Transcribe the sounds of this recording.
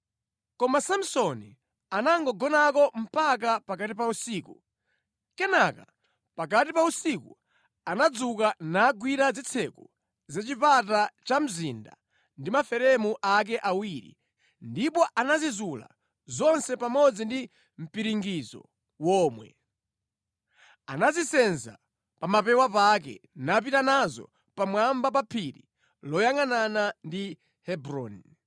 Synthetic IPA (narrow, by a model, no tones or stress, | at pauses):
kɔmasam̩sɔnḭ | anaŋɡɔɡɔnakɔm̩pak̬apakatipausiːku | kɛnaka̰ | pak̬at̬ipausiku | anad͡zukanaɡwiɾad͡zit͡sʰɛku | zat͡ʃipatat͡ʃam̩zinda̰ | ndimafɛɾɛmuʔak̬ɛʔawiɾḭ | ndipɔʔanazizula̰ | zɔnsɛpamɔd͡zindi | m̩piɾiŋɡizɔ̰ | wɔːmwɛ̰ | anazisɛnza̰ | pamapɛwapak̬ɛ̰nap̬itanazɔ̰ | pamwambap̬apʰiɾḭ | lɔjaŋananandi | hɛbɾɔn